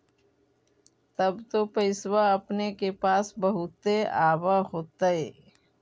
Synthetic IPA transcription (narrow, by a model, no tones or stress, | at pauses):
t̪əbt̪opəɪswaɐpnekepaːsbəɦʊt̪eaːwaɦoːt̪aɦeː